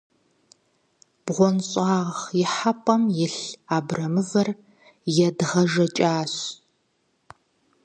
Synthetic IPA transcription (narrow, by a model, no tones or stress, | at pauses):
b̥ʁʷɔnɕʼɑːʁχjɪħapʼɐmjɪɬaːbrɐmɨvɐr | jɛdʁɐʒɐt͡ʃʼaːɕ